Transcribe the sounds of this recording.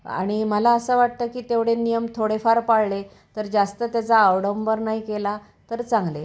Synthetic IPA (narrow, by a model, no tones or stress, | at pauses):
a̰ɽ̃iməlaəsəːʋaʈ̚t̪əːkiːt̪eʋɽenijəmt̪ʰoɽefaɾpaɽɭe | t̪əɾd͡zast̪ət̪jat͡saːwɽəmbəɾnaikela | t̪əɾt͡sãŋɡle